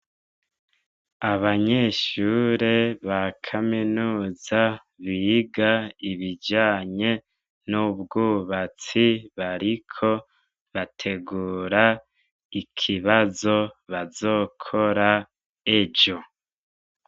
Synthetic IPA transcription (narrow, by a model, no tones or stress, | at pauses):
aβaɲeːʃuːɾeβakʰaminuːza | βiːɡaiβid͡ʒaːɲe̞ | nubɡuːβat͡siβaɾikʰo̞ | βatʰe̞ɡuːɾa | ikʰiβazo̞βazo̞ːkʰo̞ɾa | e̞d͡ʒo̞